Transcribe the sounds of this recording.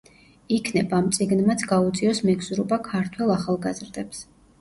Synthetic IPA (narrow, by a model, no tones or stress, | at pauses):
ikʰnɛbaːmt̪sʼiɡnmat̪sʰɡaut̪sʼiɔsmɛɡz̥uɾɔbakʰaɾt̪ʰwɛlˠaχalˠɡazɾd̪ɛps